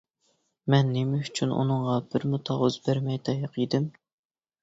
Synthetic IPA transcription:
mɛnːɪmɛyt͡ʃʰynʔṵnɨɴʁɑbɪɾmut̪ʰɑʁʊzbæɾmɛjt̪ʰɑjɑqid̪ɪm

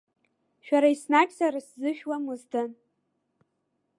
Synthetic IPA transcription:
ʃᶣaɾaisnakʲʼsaɾɨszɨʃᶣwamuzdʰɨn

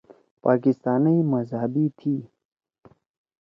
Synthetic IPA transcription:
paːkɪst̪aːnəimɐzɦɐbit̪ʰiː

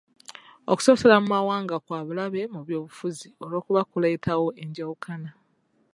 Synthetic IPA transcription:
oku̥so̞so̞lamumawaːŋɡakwaːβulaβe̞muβjo̞ːβufuzio̞ɾo̞ːkuβakuleitʰawo̞eɲɟawukʰana

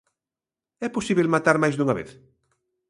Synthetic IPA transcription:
ɛposiβelmat̪aɾmajzd̪uŋaβḛθ

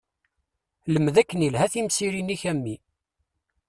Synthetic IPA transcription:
ləmðækːənilɦæθimsiɾiniçæmːi

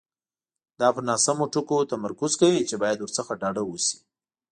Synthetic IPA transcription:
d̪ɑpənɑsamoʈʊkot̪amaɾkʊzkawit͡ʃebɑjad̪wʊɾsəxaɖɑɖawusi̥

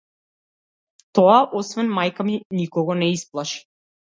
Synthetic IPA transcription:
t̪ɔaʔɔsvɛnmajkaminikɔɡɔnɛisplˠaʃi̥

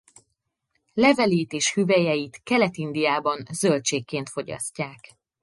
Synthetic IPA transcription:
lɛvɛleːt̪eːʃhyvɛjɛjit̪kɛlɛt̪ind̪ijaːbɒnzølt͡ʃeːkːeːnt̪fo̞ɟɒ̰scːaːk

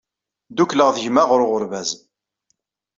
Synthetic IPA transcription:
d̪ukləʁðʝmaʁʊɾʊʁʊɾvæz

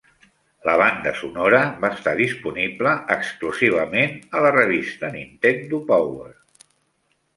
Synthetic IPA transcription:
ləβand̪ə̰sunoɾəβaəst̪aðispunibləəkskluziβ̞əmenələrəβist̪ənint̪end̪upawer

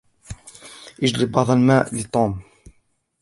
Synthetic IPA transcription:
ʔɪd͡ʒlibɑʕd̪ˤɑlmaːʔlɪt̪ˤːuːm

